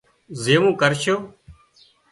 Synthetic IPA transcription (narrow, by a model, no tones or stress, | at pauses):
zeːmũːkəɾʃoː